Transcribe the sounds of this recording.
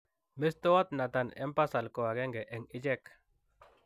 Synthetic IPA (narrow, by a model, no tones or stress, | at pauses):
mist̪oat̪̚nat̪anɛ̰mpasalkoaɡeŋɡeʔɛŋid͡ʒɛk